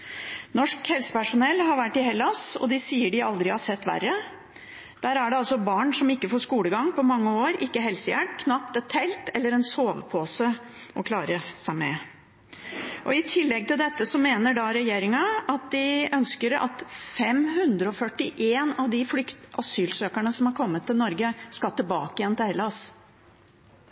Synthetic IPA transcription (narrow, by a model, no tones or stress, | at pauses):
nɔʂkhɛlsə̥pæʂʊnɛlːɦɑɾʋæʈːɪɦɛlːɑsɔ̰d̪ɪsiːəɖɪɑld̪ɾɪhɑʂɛt̪ːʋæ̰rə | d̪̥æːɾæɖɛɑlsɔbɑːɳʂɔmɪkːəfoːʂkuːləɡɑŋpʰɔmɑŋːəoːɾʔɪkːəɦɛlsəjæɖkʰnɑpt̪ɛt̪ʰːɛlt̪ɛlːəɾɛnsoːʋəpʰoːsə | ʔɔkʰlɑːɾəsæɪmɛ̰ | ʔɔɪt̪ʰɪlːɛɡ̚t̪ɪld̪ɛt̪ːəsɔmeːnəɖɑɾɛjeːɾɪŋɑɑt̪̚d̪ɪœnskəɾɑ̰t̪fɛmɦʉnd̪ɾəɔfœʈːɪʔeːnɑʋd̪ɪflʏkt̪ʔɑsyːlsøːkæɳəsɔmhɑɾkʰɔmːət̪ʰːɪlnɔɾɡəskɑlt̪ɪlbɑːkəjɛnːt̪æɾlɑs